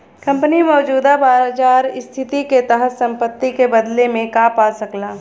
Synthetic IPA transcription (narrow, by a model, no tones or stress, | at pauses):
kɐ̃mpənimɔːd͡ʒuːd̪abaːɾd͡ʒaːɾɪst̪ʰɪt̪iket̪əɦət̪sɐ̃mpət̪ːikebɐd̪lemẽkaːpaːsɐklaː